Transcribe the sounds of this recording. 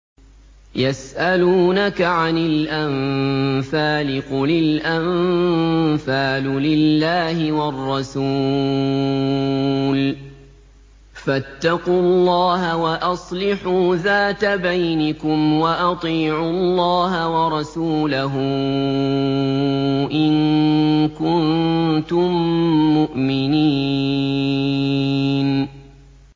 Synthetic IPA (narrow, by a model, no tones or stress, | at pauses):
jasʔaluːnakaʕanɪlʔamfaːlɪqʊlɪlʔam | faːlʊlɪlːaːhɪwɑrˤːɑsu | l | fat̪ːɑqulˤːɑːɦawaʔɑsˤlɪħuːðaːt̪abajnɪkʊmwaʔɑt̪ˤiːʕuɑlˤːɑːɦawɑɾˤɑsuːlaɦʊ | ʔɪn | kʊnt̪ʊmːʊʔmɪniː | n